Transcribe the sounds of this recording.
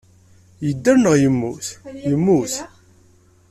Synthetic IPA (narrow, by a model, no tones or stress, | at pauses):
jəd̪ːæɾnəʁjəmːuθjəmːuθ